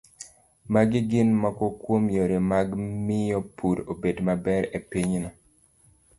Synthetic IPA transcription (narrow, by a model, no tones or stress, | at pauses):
maɡiɡɪnmɔkɔkwomjoɾemaɡmɪjɔpuɾobedmabɛɾepiɲnɔ